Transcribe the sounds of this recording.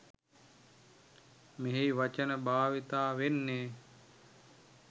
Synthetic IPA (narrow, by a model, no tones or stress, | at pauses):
meɦejʋat͡ʃənəbaːʋit̪aːʋenːeː